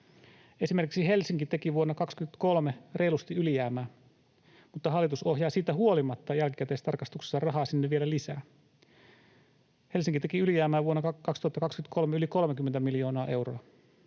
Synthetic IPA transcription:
e̞sime̞rkiksihe̞lsiŋkit̪e̞kiʋuonːɑkɑkskyt̪ko̞lmere̞ilust̪iylijæːmæː | mut̪ːɑɦɑlːˑit̪uso̞hjɑːsiːt̪ːæɦuo̞limɑt̪ːɑjælkikæt̪eːst̪ɑrkɑst̪ukse̥sːɑrɑɦɑːsinːeʋʋielælisæː | he̞lsiŋkit̪ekiylijæːmæːʋuonːɑɑkɑkst̪uhɑt̪ːɑkɑkskynt̪kʰo̞lmeyliko̞lmek̟ymːent̪æmiljo̞ːnɑːʔe̞wroɑ

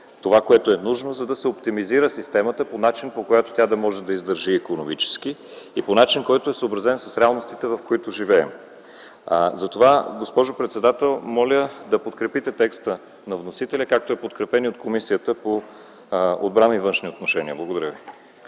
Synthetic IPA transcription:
t̪ovakoɛt̪oɛnuʒnozɐd̪ɐsɛopt̪imiziɾəsist̪ɛmət̪əponat͡ʃinpokojat̪o̥t̪ʲad̪ɐmɔʒɛd̪ɐizd̪əɾʒiːkonomit͡ʃɛ̥ski | iponat͡ʃinkɔjɛt̪oɛsəːbɾɐzɛnsə̥sɾɛalˠnost̪it̪ɛvɐfkoit̪ʊʒivɛɛm | zɐt̪ovaɡospɔʒopɾɛt̪sɛd̪at̪ɛlˠmɔlʲəd̪ɐpot̪kɾɛpit̪ɛt̪ɛkst̪ə | nɐvnosit̪ɛlʲəkak̚t̪oɛpot̪kɾɛpɛniot̪kʰomisijət̪əpo | o̰d̪̚bɾanivɤnʃniot̪noʃɛniəblˠɐɡod̪ɐɾʲəvi

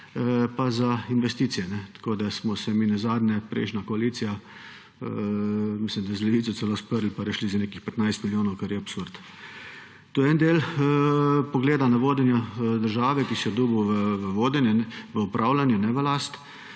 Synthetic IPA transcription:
pazainʋɛst̪iːt̪sijɛnɛt̪ḁkoːd̪asmɔsɛminazaːd̪nɛpɾɛ̰ɪʃnakɔaliːt̪sija | mislimd̪azlɛʋit̪sɔsɛloːspəɾlipaɾɛʃlizaneːkixpɛt̪najst̪miljoːnɔwkaɾjɛapsuɾt̪ | t̪uɛnd̪eːl | pɔɡleːd̪anaʋoːd̪ɛnjad̪əɾʒaːʋɛkisɛd̪uːbuʋəʋəʋoːd̪ɛnjɛɛʋəupɾʔaːwlanjɛnɛʋəlast̪

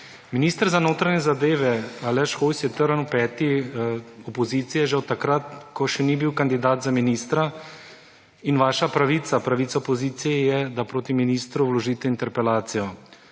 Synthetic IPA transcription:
miniːst̪əɾzanoːt̪ɾaɲɛzad̪eːʋɛalɛʃxojsjɛt̪əɾənwpɛːt̪i | ɔpɔziːt̪sijɛʒɛwt̪akɾat̪kɔʃɛnibiwkand̪id̪aːt̪zaminiːst̪ɾa | inʋaːʃapɾaʋiːt̪sapɾaʋiːt̪saɔpɔziːt̪sijɛjɛd̪apɾoːt̪iminist̪ɾuwlɔʒiːt̪ɛint̪ɛɾpɛlaːt̪sijɔ

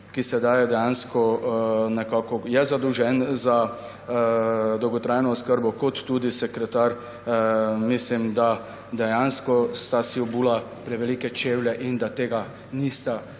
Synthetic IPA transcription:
kisɛd̪aːjɛd̪ɛjanskɔnɛkaːkɔjɛzad̪əwʒɛnza | d̪ɔwɡɔt̪ɾaːjnɔːskəɾbɔkɔt̪ːuːd̪isɛkɾɛt̪aɾ | mislimd̪a | d̪ɛjanskɔst̪asiwbuːlapɾɛʋɛlikɛt͡ʃeːwlɛʔind̪at̪eːɡa | nist̪a

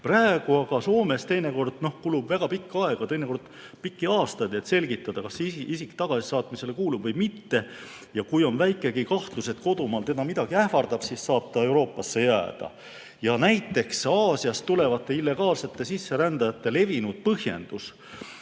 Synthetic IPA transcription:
præeɡ̥uɑɡ̥ɑso̞ːme̞st̪e̞jne̞ko̞rd̪̥no̞hkulub̥væɡ̥ɑpikːɑe̞ɡ̥ɑt̪e̞jne̞ko̞rd̪̥ | pikːiɑːst̪ɑjd̪et̪se̞lɡit̪ːˑɑd̪̥ɑkɑsiʔisikt̪ɑɡ̥ɑsi̥sɑːt̪mise̞lekuːlub̥vɤjmit̪ːe̞ | jɑkujo̞nvæjkːˑe̞ɡ̥ikɑht̪luse̞t̪ko̞d̪̥umɑːlt̪e̞d̪ɑmid̪ɑɡ̥iæhfɑrd̪̥ɑb̥siːsːɑːb̥̚t̪ɑe̞wɾo̞ːpːˑɑsːe̞jæːd̪̥ɑ̰ | jɑnæjt̪ːˑe̞ksɑːsiɑst̪ule̞vɑt̪ːˑe̞ilːe̞ɡ̥ɑːlse̞t̪ːe̞sisːe̞ɾænd̪ɑjɑt̪ːe̞le̞vinud̪̥̚pɤhje̞̰nd̪̥us

